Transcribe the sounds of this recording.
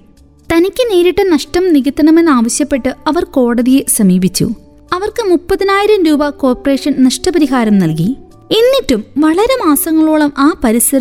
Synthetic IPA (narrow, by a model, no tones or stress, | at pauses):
t̪ɐnikʲːɨneːɾiʈːɐnɐʂʈɐmniɣit̪ːɐɳɐmenːaːʋɐɕjɐpːe̞ʈːɨɐʋɐrko̞ːɽɐðijesɐmiːbit͡ɕːṵ | ɐʋɐrkɨmupːɐðinaːjiɾɐmɾuːbɐko̞ːrpɐreːʂɐnnɐʂʈɐbɐɾiɦaːɾɐmnɐlki | enːitːumʋɐɭɐɾemaːsɐŋːɐɭuːɭɐmʔaːpɐɾisrɐɾ